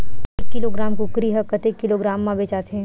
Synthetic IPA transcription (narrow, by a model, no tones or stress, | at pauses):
ekːɪloɡɾaːmkokɾiɦɐkːət̪eːkːɪloɡɾaːmːãbeːt͡ʃaːt̪ɦɛ̃